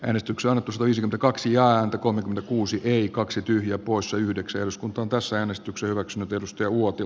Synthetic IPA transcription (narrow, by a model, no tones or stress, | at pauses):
ʔæːnest̪ykseɑnːet̪ːusɑt̪ɑʋiːsekymenækɑksijæːænt̪ækolmekyment̪ækuːsiʔeikɑksit̪yhjæpoˑissɑyhdeksæehɾuskunt̪ˑɑont̪æsːææːnest̪yksehyʋæksynyt̪edust̪ɑjɑuot̪i